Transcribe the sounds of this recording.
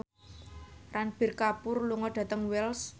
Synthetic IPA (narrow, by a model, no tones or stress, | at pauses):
ranb̥i̤rkapʊrluŋɔɖ̥ä̤t̪əŋwɛls